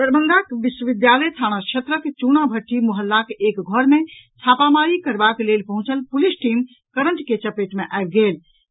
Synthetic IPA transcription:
d̪əɾbənd̪akʋiʃwəʋid̪jaləjt̪ʰañakʃʰət̪ɾəkt͡ʃunabʱəʈːimuɦəlːakekɡʱɔɾmet͡ʃʰapamaɾikəɾbaklelpəɦũt͡ʃəlpulisʈim | kəɾəɳʈket͡ʃəpeʈmeʔaebɡel

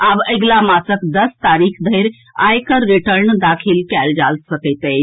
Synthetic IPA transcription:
abəjɡlamasəkd̪əst̪aɾikʰd̪ʱəjɾ | a̰jkəɾːiʈəɾnd̪akʰilkɛld͡ʒalsəkət̪ə

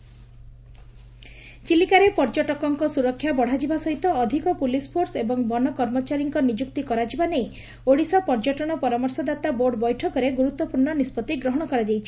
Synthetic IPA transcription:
t͡ʃilikaɾepɔɾd͡ʒɔʈɔkɔŋkɔsuɾɔkʰːjabɔɽ̤ad͡ʒibasɔɦit̪ɔːd̪ʱikɔpulispʰoɾsebɔŋbɔnɔkɔɾmɔt͡ʃaɾiŋkɔnid͡ʒuk̚t̪ikɔɾad͡ʒibanej | oɽisɔpɔɾd͡ʒɔʈɔɽ̃ɔpɔɾamɔɾsɔd̪at̪aboɾɖbɔjʈʰɔkɔɾeɡuɾut̪ːwɔpuɾɳɔnispɔt̪iɡɾɔɦɔɽ̃ɔkɔɾad͡ʒajt͡ʃʰi̥

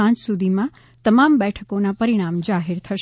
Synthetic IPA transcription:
ãɲt͡ʃsud̪ʱimã | t̪əmambɛʈʰəkonapəɾiɽ̃amd͡ʒaɦiɾt̪ʰəʃ

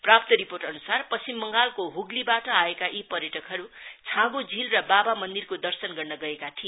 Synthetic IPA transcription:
prap̚t̪ʌɾiporʈʌnusarpʌst͡simːʌŋɡalkoɦuɡlibaʈʌaekaʔipʌɾjʌʈʌkɦʌɾut͡sʰãɡud͡zʱilrʌbabamʌnd̪irkod̪ʌrsʌnɡʌrnʌɡʌekat̪ʰie

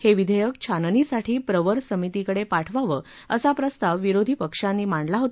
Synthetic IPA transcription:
heʋid̪ʱəjəkt͡ɕʰannisaʈʰiːpɾəʋəɾsəmit̪ikəɽepaʈʰʋaʋə | əsapɾəst̪aʋːiɾod̪ʱipəkʂãnːiːmaɳlaɦot̪

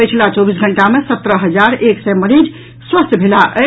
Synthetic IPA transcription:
əjt͡ʃʰlat͡ʃɔbisɡʱəɳʈamesət̪ɾəɦəd͡ʒaɾʔeksɛməɾid͡ʒ | swəst̪bʱelaʔə

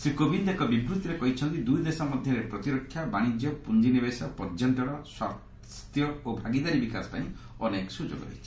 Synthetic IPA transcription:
sɾikobʱind̪ekɔbibɾut̪iɾekɔɦit͡ʃʰɔnt̪id̪ujd̪esɔmɔd̪ʱjɔɾepɾɔt̪iɾɔkʰːjabaɽ̃id͡ʒjɔpund͡ʒinibesɔpɔɾd͡ʒɔnʈɔɾɔswa̰ | st̪jɔobʱaɡid̪aɾibikasɔ̥pa̰ĩ | ɔneksud͡ʒo̰ɡɔɾɔ̰ɦit͡ʃʰi̥

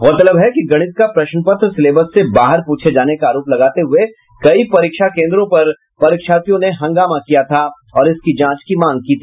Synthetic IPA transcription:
mɐt̪ləbɦɛkiɡɐɽ̃ɪt̪̚kapɾɐʃnpət̪ɾsɪleːbəsːebaːɦəɾpuːt͡ʃʰed͡ʒaːnekaaːɾoːplɐɡaːt̪eɦʊe | kɐipɐɾiːkʃakẽːnd̪ɾõpɐɾ | pɐɾikʃaːt̪ijõneɦɐ̃ŋɡaːmakijat̪ʰa | ɔːɾɪskid͡ʒãːt͡ʃkimãːŋɡ̚kiːt̪ʰiː

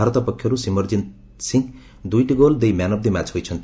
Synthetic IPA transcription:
aɾʌt̪ʌpʌkʰːjʌɾusimʌrd͡zin | siŋ | d̪ujʈiɡold̪ejmjanʌb̚d̪imat͡sɦojt͡sʰʌnt̪

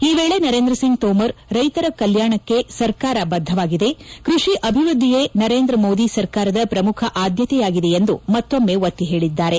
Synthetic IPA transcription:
iːʋeːɭe̞nɐɾeːnd̪ɾɐsiŋɡ̚t̪oːmɐɾɾɐjt̪ɐɾɐkɐljaːɳɐkːe̞sɐɾkaːɾɐbɐd̪ʱːɐʋaːɡid̪e̞kɾuʂiʔɐbʱiʋɾud̪ʱːijenɐɾe̞ːnd̪ɾɐmoːd̪isɐɾkaːɾɐd̪ɐpɾɐmukʰɐʔaːd̪jɐt̪ɛjaːɡid̪e̞end̪umɐt̪ːomːe̞ʋɐt̪ːiɦe̞ːɭid̪ːaːɾe̞

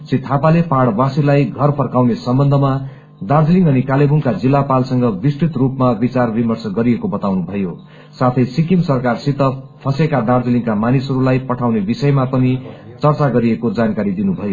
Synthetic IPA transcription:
sit̪ʰːapalepaɽbasilajɡʱʌrpʰʌrkawnesʌmbʌnd̪ʱʌma | d̪ard͡zliŋɡʌnikalebuŋkad͡zilːapalsʌŋɡʌbisʈit̪rupmabit͡sarbimʌrsʌɡʌɾiekobʌt̪awnubʱʌjo | sat̪ʰʌjsikimsʌrkarsit̪ʌpʰʌsekad̪ard͡zilĩŋkamanisɦʌɾulajpʌʈʰawnebisʌjmapʌnit͡sʌrt͡saɡʌɾiekod͡zankaɾid̪inubʱʌjo

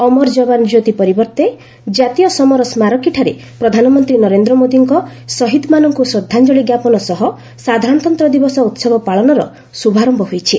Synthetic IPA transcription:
ɔmɔɾd͡ʒɔband͡ʒot̪ipɔɾibɔɾt̪e | d͡ʒat̪ijɔsɔmɔɾɔsmaɾɔkiʈʰaɾe | pɾɔd̪ʱanɔmɔnt̪ɾinɔɾend̪ɾɔmod̪iŋkɔsɔɦid̪manɔŋkusɾɔd̪ʱːand͡ʒɔɭiɡjapɔnɔsɔɦɔ | sad̪ʱaɾɔnɔt̪ɔnt̪ɾɔd̪ibɔsɔut̪sɔbɔpaɭɔnɔɾɔ | subʱaɾɔmbɔɦojt͡ʃʰi

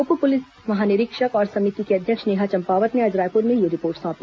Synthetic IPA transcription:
opupʊlɪs | mɐɦaːnɪɾɪkʃəkɔːɾsɐmɪt̪ikeɐd̪ʱjəkʃneːɦat͡ʃɐ̃mpaːʋət̪neɐd͡ʒɾaːpʊɾmẽjeɾɪpoːɾʈsɔ̃ːpli

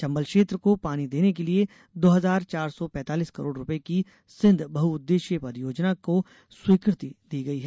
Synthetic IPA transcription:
t͡ʃɐ̃mbəlkʃeːt̪ɾəkopaːñid̪eːnek̬elie | d̪oːɦɐzaːɾt͡ʃaːɾsɔpɛ̃ːt̪aːliːskɐɾoːɖɾʊpeki | sɪ̃nd̪ʱbɐɦuʊd̪ːeːʃjəpɐɾjoːd͡ʒnako | swiːkɾɪt̪id̪iːɡɐiɦɛː

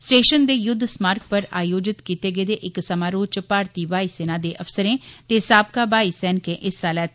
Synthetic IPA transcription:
sʈeːʃənd̪eːjʊd̪ʱːsmaːɾk̚pəɾa̰ːjoːd͡ʒɪt̪kiːt̪eːɡeːd̪eːʔɪksəmaːɾoːt͡ʃpaːɾt̪iːbaːiːseːnaːd̪eːʔəfsəɾẽːt̪eːsaːb̚kaːbaːiːsɛːnkẽːʔɪsaːlɛː

